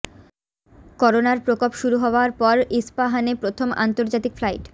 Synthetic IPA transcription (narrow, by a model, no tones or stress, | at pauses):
kɔɾonaɾpɾokopʃuɾuɦɔoaɾpɔɾispaɦanepɾot̪ʰomʔa̰nt̪oɾd͡ʑat̪ikflajʈ